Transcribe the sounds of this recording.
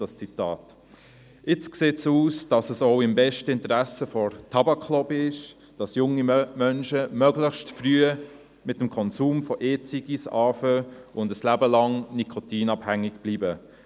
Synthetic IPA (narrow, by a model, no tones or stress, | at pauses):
ɑst͡sitɑːt | ʔɪt͡skseːtsuːsd̥ɑsəsɔʊɪmbɛʃtəɪntəɾæsəfɔɾtʰɑbɑkʰːlɔbɪʃ | d̥ɑsjʊŋːimœnʃəmœɡləxʃtfryə | mɪtəmkʰɔnsuːmfɔʔeːt͡siɡisɑːfəʔʊndəslæbəlɑŋnikʰɔtiːnɑbhæŋːɪɡ̥b̥liːbə